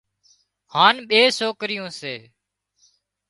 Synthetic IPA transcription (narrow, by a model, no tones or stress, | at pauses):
haːnɓeːsoːkɾɪjõːseː